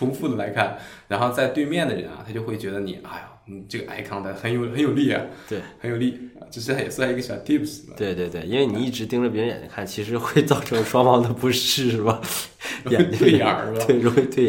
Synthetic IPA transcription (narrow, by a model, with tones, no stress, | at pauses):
fʰu˧˥ŋfu˥˩d̪ə˨˩la̰˧˥ɪkʰa˥˩n | ɻa˧˥nxo˥˧ʊt͡sa˥˧ɪt̪we˥˧ɪmjɛ˥˩nd̪ə˩ɻə̰˧˥nɐ̰˧t̪ʰa˥t͡ɕjo˥˧ʊxwe˥˩ɪt͡ɕɥɛ˧˥d̪ə˧nḭ˨˩a˧˥jo˨˩ʊn̩˥˩ʈ͡ʂɤ˥˩ɡə˩ʔa̰˧˥ɪkʰɑ˥˩ŋd̪ə˨˩xə˧˥njo˨˧˥xə˧˥njo˨˩ʊli˥˩ɐ̰˨˩t̪we˥˩ɪxə˧˥njo˨˩ʊlḭ˥˩˧t͡ɕʰi˧˥ʂɻ̩˥t̪ʰa˥jɛ˨˩swt͡sɡə˧˩ɕjɑ˨˩t̪ʰi˥˩pst̪we˥˧ɪt̪we˥˧ɪt̪we˥˩ɪi˥nwe˥˩ɪni˧˩i˥˩ʈ͡ʂɻ̩˧˥t̪i˥ŋlə˨pt͡ɕjjɛ̰˨˩nd̪ə̰˦˥kʰa˥˩nt͡ɕʰi˧˥ʂɻ̩˧˥xwe˥˧ɪt͡sɑ˥˩ʊʈ͡ʂʰɤ˧˥ŋʂwɑ˥ŋmɑ˧˥ŋd̪ə˨pu˧˥ʂɻ̩˥˧ʂɻ̩˥˩mɐ˩˥ | jɛ˨˥˩ɪjɑ˨˩lt̪e˥˩ɪɻu˧˥we˥˧˩ɪt̪we˥˩